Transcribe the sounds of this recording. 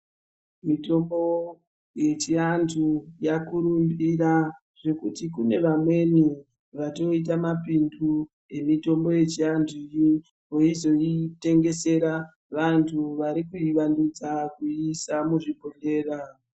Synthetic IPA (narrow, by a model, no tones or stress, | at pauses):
mito̞mbo̞ | je̞t͡ʃiantʰujakuɾumbiɾa | ʐ̥e̞kutikune̞ʋamwe̞ni | ʋato̞it̬amapindu | e̞mito̞mbo̞je̞t͡ʃiantʰuiji | ɦoizo̞ite̞ŋɡe̞se̞ɾa | ʋantʰuʋaɾikuiʋandud͡zakuisamuʐibʱonde̞ːra